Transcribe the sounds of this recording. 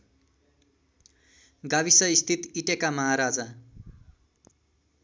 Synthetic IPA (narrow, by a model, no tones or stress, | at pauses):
ɡaβisʌist̪ʰit̪iʈekamʌɦaɾad͡zʌ